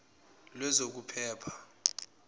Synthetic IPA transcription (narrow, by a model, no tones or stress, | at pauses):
lwɛzok̬upʰɛːpʰḁ